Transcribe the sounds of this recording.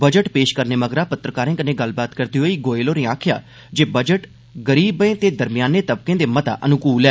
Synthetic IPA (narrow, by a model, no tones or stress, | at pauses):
bəd͡ʒəʈpeːʃkəɾneːməɡɾaːpət̪ɾəkaːɾẽːkəneːɡəlbaːt̪kəɾd̪iːɦoːiːɡoːeːloːnẽːaːkʰja̰ː | d͡ʒeːbəd͡ʒəʈ | ɡəɾiːbẽːt̪eːd̪əɾmɪjaːnẽːt̪əb̚kẽːd̪eːmət̪a̰ːʔənʊkuːlɛː